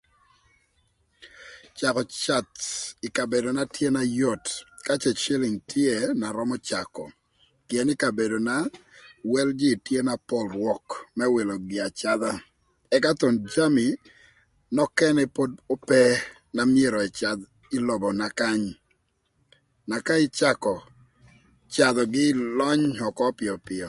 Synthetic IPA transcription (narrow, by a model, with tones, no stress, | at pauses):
t͡ʃa˨kɔ˨t͡ʃa˨tɪ˨ka˨be˨do˨na˦tje˦na˦jɔ˦˨tka˦t͡ʃɛ˨t͡ʃe˦lɪ˨ŋtje˦na˨ɾɔ˦mɔ˦t͡ʃa˨kɔ̰˨ | kɪ˨ɛ˨nɪ˦ka˨be˨do˨na˦wɛ˦ld͡ʒi˦˨tje˦na˦pɔ˦lrwɔ˦kmɛ˦we˨lo˨ɡɪ˨a˨t͡ʃa˦d̪a˦ | ɛ˦ka˦t̪ɔ˨nd͡ʒa˦mi˨ | nɔ˦kɛ˦nɛpo˦do˦pɛ˦ | na˨mje˦ɾɔ˨i˨t͡ʃa˨d̪ | ɪ˦lɔ˨bɔ˨na˨ka˦ɲ | na˨ka˦ɪ˦t͡ʃa˦kɔ˨ | t͡ʃa˨d̪ɔ˨ɡɪ˦lɔ˦ɲɔ˨kɔ˦pɪ˨ɔ˨pɪ˨ɔ˨